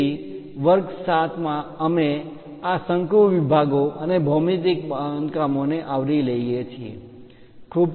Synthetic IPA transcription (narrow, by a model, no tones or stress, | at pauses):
i | ʋəɾɡsat̪ʰmãəme | asə̃ŋkɾuʋibʱaɡoʔənebʱomit̪̬ikbankamoneʔaʋɾiləijet͡ʃʰiḛ | kʰub